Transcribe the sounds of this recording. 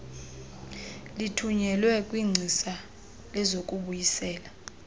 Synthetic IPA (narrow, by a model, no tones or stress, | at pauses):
litʰuɲɛlwɛkʼwiŋ͡ǀʱisa | lɛzokʼuɓujisɛːla